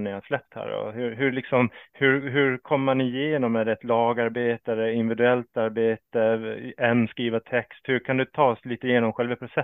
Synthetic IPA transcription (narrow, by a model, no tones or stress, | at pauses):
nɪhaʂlɛp̚t̪hæ̰ːɾɔ̰hɵɾɦɵlɪksɔmhɵɾɦɵɾkʰɔmːəmanɪjeːnɔmæɾɛt̪lɑːɡaɾbeːt̪aɾəɪnvɪd̪ʉɛlt̪aɾbeːt̪əɛnːskɾiːvat̪ʰɛkst̪hɵɾkʰand̪ɵt̪ʰɑːsliːt̪əɪjeːnɔmɧɛlvəpʰɾʊsɛ